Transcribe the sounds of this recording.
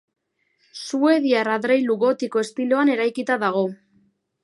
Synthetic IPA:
sue̞ðiaraðɾejluɣo̞t̪iko̞e̞st̪ilo̞ane̞ɾajkit̪aðaɣ̞o̞

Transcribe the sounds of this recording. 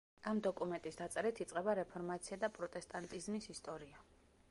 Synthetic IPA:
amd̪ɔkʼumɛnt̪ʼisd̪at̪sʼɛɾit̪ʰit̪sʼqʼɛbaɾɛpʰɔɾmat̪sʰiad̪apʼɾɔt̪ʼɛst̪ʼant̪ʼizmisist̪ʼɔɾia

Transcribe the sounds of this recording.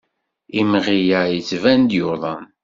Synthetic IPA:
imʁijæjət͡sːvænd̪jʊɾðˤɑn

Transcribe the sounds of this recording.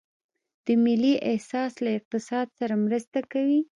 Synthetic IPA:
d̪̥əmɪlːiʔɪhsɑslaɪq̚t̪ɪsɑd̪̚saɾamɾəst̪akawi

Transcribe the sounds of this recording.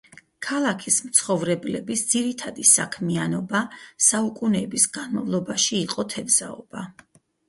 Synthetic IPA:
kʰalˠakʰismt̪sʰχɔvɾɛblɛbisd̪ziɾit̪ʰad̪isa̰kʰmianɔbasaukʼunɛbisɡanmavlˠɔbaʃiːqʼɔt̪ʰɛbz̥aɔ̰b̥a

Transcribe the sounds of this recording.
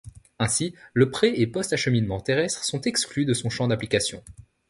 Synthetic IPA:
ɛ̃siləpχɛepɔst̪aʃəminmɑ̃t̪eʁɛst̪χsɔ̃t̪ɛksklyd̪əsɔ̃ʃɑ̃d̪aplikasjɔ̃

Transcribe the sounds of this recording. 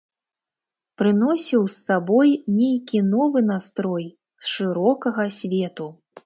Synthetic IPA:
pɾɨnɔsʲiwsːabɔjnʲejkʲinɔvɨnast̪ɾɔj | sʂɨɾɔkɐɣɐsʲvʲɛt̪u

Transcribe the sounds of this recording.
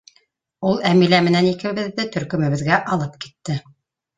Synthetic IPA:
ulˠæmilæmɘ̆nænikɘ̆βɘ̆ðːɘt̪ɵ̆ɾkɵ̆mɘ̆βɘ̆ðɡæʔɑlˠɤp̚ki̥t̪ːɘ

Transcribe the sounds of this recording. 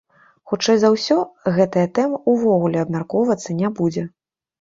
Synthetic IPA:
xut͡ʂɛjzawsʲɔɣɛt̪ɐjɐt̪ɛmɐuvɔɣulʲɛɐbmʲarkɔwvɐt̪sːɐnʲɛbud͡zʲɛ

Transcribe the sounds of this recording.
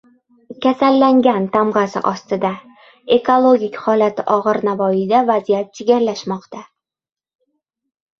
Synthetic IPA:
kʲʰasalːaŋɡʲant̪ʰamʁɑsɪ̰ʔɒst̪ɪd̪a | e̞kʰolˠoɡʲikʲχɒlat̪ʰɪʔɒʁɨɾnavɒjɪd̪avazijat̪̚t͡ʃʰeɡʲaɾlaʃmɒqt̪ʰa

